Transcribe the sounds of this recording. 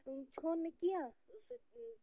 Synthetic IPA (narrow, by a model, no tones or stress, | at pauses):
t͡ʃʰoːɾnekijaː